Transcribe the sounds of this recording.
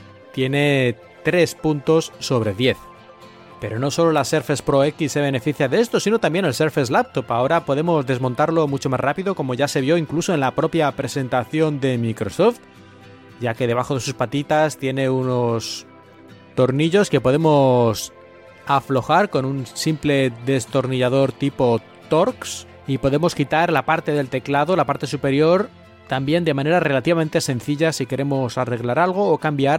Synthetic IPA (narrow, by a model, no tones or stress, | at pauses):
t̪je̞ne̞ | t̪ɾe̞spunt̪o̞sːo̞β̞ɾe̞ðje̞θ | pe̞ɾo̞no̞so̞lo̞lase̞ɾfe̞spɾo̞e̞kisːe̞β̞e̞ne̞fiθjaðe̞e̞st̪o̞sino̞t̪ambje̞nelse̞ɾfezlap̚t̪o̞pao̞ɾapo̞ð̞e̞mo̞zðe̞zmõ̞nt̪aɾlo̞mut͡ʃo̞mazrapiðo̞ko̞mo̞ʝase̞βjo̞iŋkluso̞e̞nlapɾo̞pjapɾe̞se̞nt̪aθjo̞nd̪e̞mikɾo̞so̞ft̪ | ɟ͡ʝake̞ð̞e̞β̞axo̞ð̞e̞suspat̪it̪ast̪je̞ne̞uno̞s | t̪o̞ɾniʎo̞ske̞po̞ð̞emo̞s | aflo̞xaɾko̞nunsimple̞ðe̞st̪o̞ɾniʝað̞o̞ɾt̪ipo̞ | t̪o̞ɾks | ipo̞ðe̞mo̞skit̪aɾlapaɾt̪e̞ðe̞lt̪e̞klaðo̞lapaɾt̪e̞supe̞ɾjo̞ɾ | t̪ambje̞nd̪e̞mãne̞ɾare̞lat̪iβame̞nt̪e̞sẽ̞nθiʎasike̞ɾe̞mo̞sare̞ɣlaɾalɣ̞o̞ːkambjaɾ